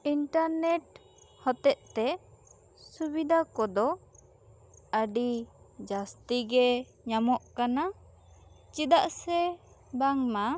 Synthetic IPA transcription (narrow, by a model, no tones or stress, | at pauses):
iɳʈaɾnɛʈ̚ | hɔt̪ɛʔt̪ɛ | subid̪ʱakɔd̪ɔ | əɖi | d͡ʒast̪iɡɛ | ɲamɔʔkana | t͡ʃid̪aʔsɛ | baŋma